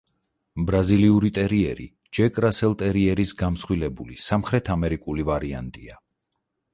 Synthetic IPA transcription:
bɾaziliuɾit̪ʼɛɾiɛɾḭ | d͡ʒɛkʼɾasɛlˠt̪ʼɛɾiɛɾisɡamsχwilɛbulisamχɾɛt̪ʰamɛɾikʼulivaɾia̰nt̪ʼia

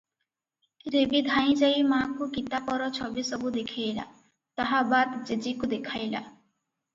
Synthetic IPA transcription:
ɾebid̪ʱaĩd͡ʒajmakukit̪apɔɾɔt͡ʃʰɔbisɔbud̪ekʰijla̰ | t̪aɦabad̪d͡ʒed͡ʒikud̪ekʰajla̰

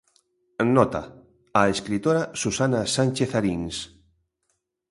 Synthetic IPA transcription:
nɔt̪a̰ | aeskɾit̪oɾasusanasanʲt͡ʃeθaɾiŋs

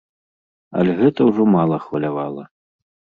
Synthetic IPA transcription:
ɐ̰lʲɛɣɛt̪ɐwʐɔmalˠɐxvɐlʲavalˠɐ

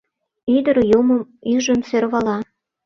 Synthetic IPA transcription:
yd̪əɾjuməmyʒəmseɾβɑlɑ

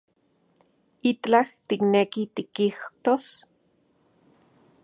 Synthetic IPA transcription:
it͡ɬt͡ɬaht̪iknekit̪ikiht̪os

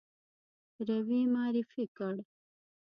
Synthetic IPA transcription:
ɾɐwiːmaːɾifikɐɽ

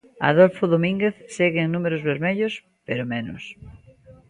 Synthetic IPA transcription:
a̰ðolfoðomĩŋɡeθseɣeːŋnumeɾʊzβeɾmeʎos | peɾomenʊ̰s

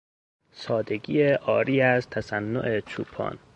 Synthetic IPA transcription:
sɒːd̪e̞ɡiːeʔɒːɾiːæzt̪ʰæsænːo̰ʔet͡ʃʰuːpʰɒ̰ːn

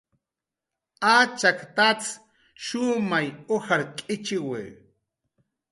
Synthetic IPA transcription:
at͡ʃakt̪at͡s | ʃʊmajohaɾkʼɪt͡ʃɪweː

